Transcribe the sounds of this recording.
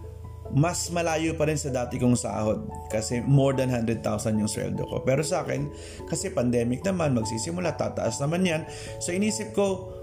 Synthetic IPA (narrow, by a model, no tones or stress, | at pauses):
mɐsmɐlaːjopɐɾɪnsɐd̪aːt̪ɪkʊŋsɐa̰ːho̞d̪̚ | kɐsɛmo̞ɹd̪ɐnɦand̪ɾɛd̪̚t̪a̰wsɐnjʊŋswɛ̰ld̪o̰ko̞̰pɛːɾo̞sɐʔaːkɛ̰n | kɐsɛpɐnd̪ɛːmɪk̚nɐmanmɐɡsiːsɪmʊlat̪ːa̰ːt̪ɐ̰ʔasnɐmanjan | soʔɪniːsɪp̚ko̞